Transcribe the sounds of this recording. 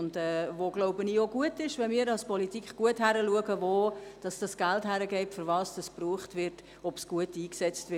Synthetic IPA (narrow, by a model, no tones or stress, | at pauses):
ndɛːvoːɡ̥loʊbənijoɡuətɪʃʋɛnmiːɾɑlspʰɔlitikχɡ̥uəthæɾəluəɡəvoːd̥ɑsd̥ɑsɡ̥æltɦæɾəɡɛɪtfʏɾvɑːsd̥ɑspruːχtvɪɾt | ɔpsɡ̥uətiːksɛt͡stʋɪ